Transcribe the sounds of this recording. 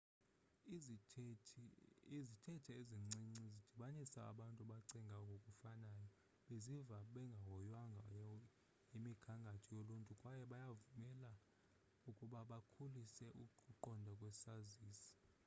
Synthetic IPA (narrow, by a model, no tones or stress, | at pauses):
izitʰɛtʰɛeziŋ͡ǀiŋ͡ǀizid̥ʱiɓanisaa̰ɓantʼuɓaǀɛŋɡʱakɡʱokʼufanaːjɔ | ɓezivaɓɛŋɡʱaɦɔjwaŋɡʱa | jimiɡ̥ʰʱaŋɡʱatʰijoluntʼukʼwajɛɓajavumɛla | ukʼuɓaɓakʰulisɛʔuuǃɔndʱakʼwɛsaziːsi̥